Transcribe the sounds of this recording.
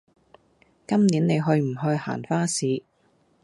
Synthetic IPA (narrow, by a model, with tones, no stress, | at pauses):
kɐ˥mniː˨˥nne˨˧jɦɵ˧ɥm̩˨˩ɦɵ˧ɥha̰ː˨˩nfaː˥siː˨˥